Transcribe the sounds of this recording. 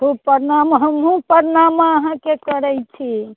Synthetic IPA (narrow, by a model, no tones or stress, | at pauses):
ɦupəɾnamɦəmɦũpəɾnamaəɦãkekəɾɛjt͡ʃʰi